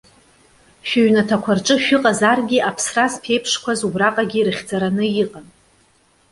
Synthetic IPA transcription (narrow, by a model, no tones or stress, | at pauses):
ʃᶣaɥnatʰakʷʰarʈ͡ʂʼɨʃᶣʊqʼazarɡʲiʔapʰsraspʰe̞jpʰʂkʷazubraqʼaɡʲiɾɨχʲd͡zaɾanɨjiqʼan